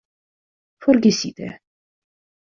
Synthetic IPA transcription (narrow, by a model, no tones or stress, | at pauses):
fɔɾɡɛsit̪ʰɛ̰